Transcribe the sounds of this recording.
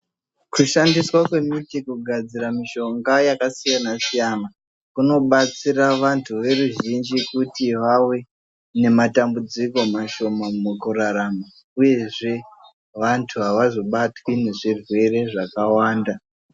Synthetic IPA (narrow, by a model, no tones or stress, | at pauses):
kuʃandiswakwe̞mitikuɡʱad͡ziɾamiʃo̞ŋɡajakasijanasijana | kuno̞ɓat͡siraʋantʰuʋe̞ruʒind͡ʒikutiʋawe̞ | ne̞matambud͡ziko̞maʃo̞mamukuraɾama | uje̞ʐe̞ | ʋantʰuɦaʋazo̞ɓatwine̞ʐirwe̞re̞ʐakawaːnda